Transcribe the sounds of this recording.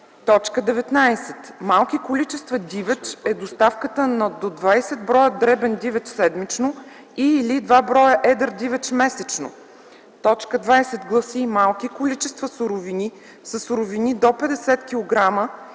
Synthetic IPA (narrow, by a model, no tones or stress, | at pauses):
t̪ɔt͡ʃkəd̪ɛvɛt̪najsɛt̪malˠkikolit͡ʃɛst̪vəd̪ʲivɛt͡ʃɛd̪ost̪afkət̪ənɐd̪od̪vajsɛd̪bɾɔjəd̪ɾɛbɛnd̪ivɛt͡ʃsɛd̪mit͡ʃno | iːlid̪vabɾɔjəʔɛd̪əɾd̪ivɛt͡ʃmɛsɛt͡ʃno̰ | t̪ɔt͡ʃkəd̪vajsɛt̪ɡlˠəsiːmalˠkʲikolit͡ʃɛst̪vəsuɾʊvini | səsʊɾovinid̪opɛd̪ɛsɛt̪kʲilˠoɡɾamə